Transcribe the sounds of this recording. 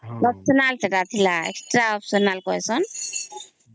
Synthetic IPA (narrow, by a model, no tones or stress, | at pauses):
lɔp̚sɔnalt̪eʈat̪ʰilaḛksʈɾaɔpsɔnalkɔjsɔn